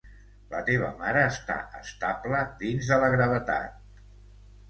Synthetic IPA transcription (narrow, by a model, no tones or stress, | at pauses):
lə̰t̪eβ̞ə̰maɾəːst̪a̰ʔə̰st̪abləðinzðələɣɾəβət̪a̰t̪̚